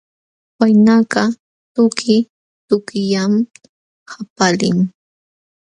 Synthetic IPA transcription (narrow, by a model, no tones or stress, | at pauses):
wajnakɢɑ | t̪ʊkʰɪ | t̪ʊkjam | hapalɪ̰ŋ